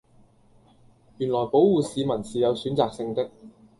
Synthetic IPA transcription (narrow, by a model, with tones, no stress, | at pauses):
jyː˨˩nlɔː˨˩jpo˨˥wwuː˨˩siː˨˧mɐ˨˩nsiː˨˩jɐ˨˧wsyː˨˥nt͡saː˨k̚sɪ˧ŋt̪ɪ˥k̚